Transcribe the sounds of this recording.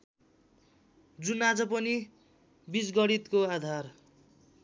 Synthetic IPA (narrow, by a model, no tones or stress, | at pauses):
d͡zunad͡zʌpʌni | bisɡʌɽit̪koad̪ʱar